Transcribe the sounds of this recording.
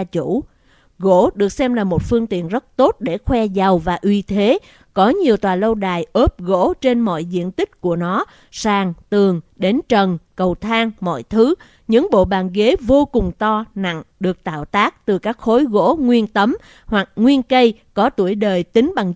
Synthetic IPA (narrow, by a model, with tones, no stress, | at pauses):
t͡ɕṵ˧˥ | ɣo̰˧˥ɗɨ˨˩ək̚sɛ˧mlaː˨˩mo˨˩t̚fɨ˧əŋt̪ḭ˧˨ənzə˦˥t̚t̪o˦˥t̚ɗe˧˩xwɛ˧za˨˩wvaː˨˩ʔwi˧t̪ʰe˨˦ | kɔ˨˦ɲi˨˩əwt̪waː˨˩lə˧wɗaː˨˩jʔəː˦˥p̚ɣo̰˧˥t͡ɕe˧nmɔ̰˧˨jzḭ˧˨ənt̪ï˦˥k̟̚ku˧˩ənɔ˨˦ | saː˨˩ŋt̪ɨ˨˩əŋɗe˨˦nt͡ɕə˨˩nkə˨˩wt̪ʰaː˧ŋmɔ̰˧˨jt̪ʰɨ˨˦ | ɲɨ̰˧˥ŋɓo̰˧˨ɓaː˨˩nɣe˨˦vo˧kʊ˨˩ŋ͡mt̪ɔ˧na̰˧˨ŋɗɨ˨˩ək̚t̪a̰ː˧˨wt̪aː˦˥k̚t̪ɨ˨˩kaː˦˥k̚xo˨˦jɣo̰˧˥ŋwi˧ənt̪ə˨˦m | hwa˨˩k̚ŋwi˧ənkə˧jkɔ˨˦t̪u˧˩əjɗəː˨˩jt̪ï˨˦ŋ̟ɓa˨˩ŋ